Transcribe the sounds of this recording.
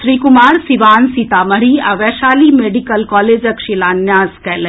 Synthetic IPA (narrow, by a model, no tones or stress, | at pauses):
ʃɾiːkumaːɾsiʋaːnsit̪aːmɐɽiɐʋɛːʃaːlimeːɖikəlkɔːleːd͡ʒɐkʃilaːnjaːskɛːle